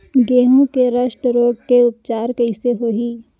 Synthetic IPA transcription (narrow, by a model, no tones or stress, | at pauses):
ɡeːɦũkeɾɐʃʈɾoːɡ̚keʊp̚t͡ʃaːɾkəɪseɦoːɦiː